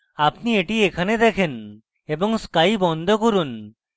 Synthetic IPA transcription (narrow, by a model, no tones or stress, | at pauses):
apnieʈiekʰaned̪ɛkʰen | eboŋskajbɔnd̪ʱokoɾun